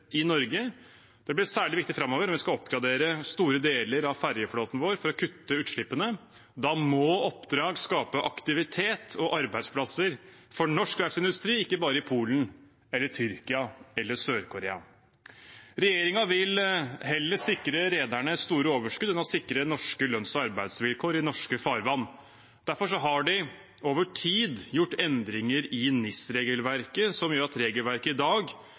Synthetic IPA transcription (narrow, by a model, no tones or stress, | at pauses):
ɪnɔɾɡə | d̪̥ɛblɪsæːɭɪʋɪk̚t̪ɪfɾɑmːoːʋəɾɔmʋɪskɑɔpːɡɾɑd̪eːɾəst̪uːɾəd̪eːləɾɑʋfæɾjəfloːt̪nʋoːɾfɔɾɔkʰʉt̪ːəʉːt̪ʂɭɪpːənə | d̪ɑːmɔɔpd̪ɾɑːɡskɑːpəʔɑkt̪ɪʋɪt̪ʰeːt̪ʰɔʔɑɾbæɪspʰlɑsəɾfɔɳɔʂklæfsɪnd̪ʉst̪ɾiːɪkːəbɑːɾəɪpʰuːlən | ɛlːət̪ʰʏɾkɪɑɛlːəsøːɾkʰʊɾḛːɑ̰ | ɾɛjeːɾɪŋɑʋɪlɦɛlːəsɪkːɾəɾeːd̪æɳəst̪uːɾəoːʋəʂkʉd̪ɛnɔsɪkɾənɔʂkəlœnsɔɑɾbæɪd̪sʋɪlkʰoːɾɪnɔʂkəfɑːɾʋɑnː | d̪̥æɾfɔʂɔɦɑɖɪ | oːʋəʈʰiːd̪jʊʈːɛnd̪ɾɪŋəɾɪnɪsɾeːɡəlʋæɾkəsɔmjøːɾɑt̪ɾeːɡəlʋæɾkəɪd̪ɑːɡ